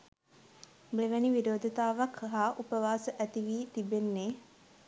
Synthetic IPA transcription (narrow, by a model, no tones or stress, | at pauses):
bleʋæniʋiɾoːd̪ʱət̪aːʋakʰəɦaːʔupəʋaːsəʔæt̪iʋiːt̪ibenːeː